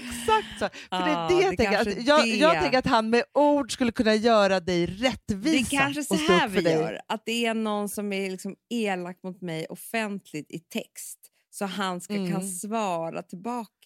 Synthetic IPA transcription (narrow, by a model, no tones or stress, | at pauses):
ɛksak̚t̪sɔfœɖɛdɛjaɡ̪ɛŋkəɾajɑːjɑːɡ̪ɛŋkəɾat̪ɦanmɛuːɖskɵlːəkʰɵnːajœːɾad̪ɛjɾɛt̪ːvid̪ɛskʰanʂəɔsoːvœɖɛɛœjːɾat̪̚d̪ɛænɔnːsɔmæɾlɪksɔmeːlak̚t̪mʊt̪mɛjʔɔfɛnt̪ʰlɪt̪ɪt̪ʰɛkst̪ | sɔɦanskakʰansvɑːɾa̰t̪ʰɪlbɑːka